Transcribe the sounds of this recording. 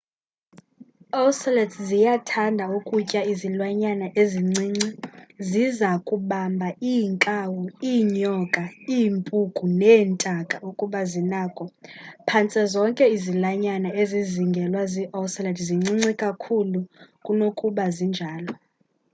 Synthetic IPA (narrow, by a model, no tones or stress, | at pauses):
ɔwslɛtʰzijatʰandʱaukʼucʼaizilwaɲanaʔeziŋ͡ǀiːŋ͡ǀizizakʼuɓambʱaiŋkʼawuiːɲɔkʼaiːmpʼukʼunɛːntʼakʼaukʼuɓazinaːkʼɔpʰant͡sʼɛzɔŋkʼɛizilaɲanaeziziŋɡʱɛlwaziʔɔslɛdʰziŋ͡ǀiŋ͡ǀikʼakʰulukʼunokʼuɓazind͡ʒʱaːlɔ